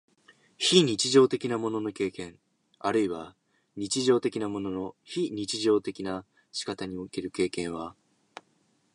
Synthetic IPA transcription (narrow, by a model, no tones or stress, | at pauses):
çiɲ̟it͡ɕiʑo̞ːt̪e̞kʲinamo̞no̞no̞ke̞ːkẽ̞ŋ | aɾɯ̟iβa | ɲ̟it͡ɕiʑo̞ːt̪e̞kʲinamo̞no̞no̞çiɲ̟it͡ɕiʑo̞ːt̪e̞kʲina | ɕi̥kat̪aɲ̟io̞ke̞ɾɯ̟ke̞ːkẽ̞ɰ̃β̞a